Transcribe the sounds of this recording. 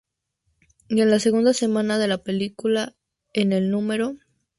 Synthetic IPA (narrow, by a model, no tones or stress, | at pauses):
je̞nlase̞ɣund̪ase̞mãnaðe̞lape̞likula | e̞ne̞lnume̞ɾo̞